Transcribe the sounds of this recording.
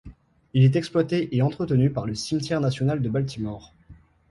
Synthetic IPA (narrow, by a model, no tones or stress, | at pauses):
ilɛt̪ɛksplwat̪eʔeɑ̃t̪χət̪ənypaʁləsimt̪jɛʁnasjɔnald̪əbalt̪imɔʁ